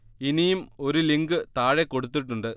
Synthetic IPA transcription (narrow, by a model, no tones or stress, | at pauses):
inijumo̞ɾuliŋɡɨt̪aːɻekːoɽut̪̬ːiʈːuɳɖɨ